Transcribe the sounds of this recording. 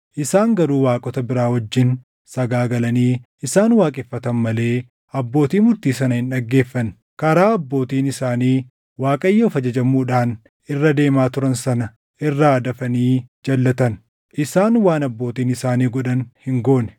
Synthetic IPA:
ʔɪsaːŋɡɐɾuːwaːkʼɔt̪ɐbɪɾaːwɐd͡ʒːɪn | sɐɡaːɡɐlɐniːʔɪsaːnwaːkʼɪfːɐt̪ɐnmɐle̞ː | ɐbːo̞ːt̪iːmʊɾt̪iːs̬ɐnɐhɪnᶑɐɡːe̞ːfːɐn | kɐɾaːɐbːo̞ːt̪iːnɪsaːniː | waːkʼɐjːɐɔfɐd͡ʒɐd͡ʒɐmuːᶑaːn | ʔɪrːɐd̪e̞ːmaːt̪ʊɾɐnsɐnɐ | ʔɪrːaːd̪ɐfɐniːd͡ʒɐlːɐt̪ɐn | ʔɪsaːnwaːnɐbːoːt̪iːnɪsaːniːɡɔᶑɐnhɪŋɡo̞ːnɛ̥

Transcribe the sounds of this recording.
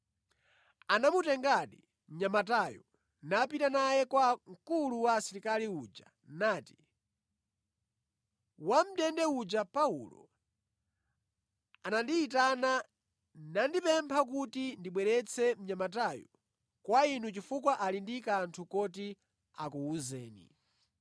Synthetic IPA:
anamutɛŋɡaɗi | m̩ɲamatajɔ | nap̬itanajɛkwaŋ̩kuluwasiɾikaliud͡ʒa | naːti̥ | wam̩ɗɛndɛud͡ʒapaṵlɔ̰ | anandiːtana | nandipɛmpʰak̬utindiɓwɛɾɛt͡sʰɛm̩ɲamat̬ajɔ | kwainut͡ʃifukwaʔalindikaːntʰukɔti | akuːzɛːnḭ

